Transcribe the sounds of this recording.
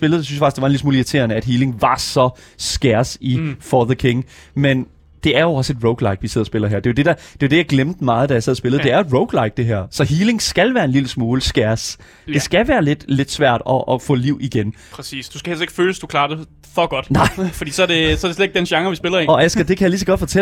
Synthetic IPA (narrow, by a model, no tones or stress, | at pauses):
sb̥e̝lð̩ˠjsynsjfɑɡ̥sd̥̝ɑnismuːliɐt͡sʰe̝̰ːɐnəæd̥ɦiːle̝ŋʋɑ̈sɒ̽ | sɡ̥æɐsifɒðəkʰeŋmen | d̥e̝æɐjo̝ɒ̽səe̝d̥ʁoʊɡ̥lɑ̈ɪɡ̥ʋisɛð̞̰ˠɐsb̥e̝lɐɦæɐd̥e̝jod̥e̝d̥æd̥e̝jod̥e̝jɑ̈ɪɡ̥lemd̥əmɑ̈ːð̞̩ˠd̥æjäsɛð̰ˠɐsb̥e̝ləð̩ˠd̥e̝æɐe̝d̥ʁoʊɡ̥lɑ̈ɪɡ̥̚d̥e̝ɦæɐ̰sɒ̽ɦiːle̝ŋsɡ̥ælʋæːɐe̝nliləsmo̝ːləsɡ̥æɐs | d̥e̝sɡ̥æʋæːɐle̝d̥le̝d̥sʋæɐ̰d̥ɒ̽ʔːfɔ̰̽ːliʊ̰iɡ̥en | pʰʁɛsḭːsd̥uskæ̥e̝l̰se̝ɡ̥føːləsd̥ukʰlɑ̈ːd̥e | fɒɡ̥ɒd̥nɑ̈ɪ̰fɒ̽d̥ḭːsɒdesɒ̽æɐdesled̥eɡ̥̚d̥enɕɑ̈ŋɐʋisb̥e̝lɐeɒ̽ʔæsɡ̥ɐd̥e̝kʰæjɑlis̬ɒɡ̥ɒ̽d̥fɒ̽t͡sʰe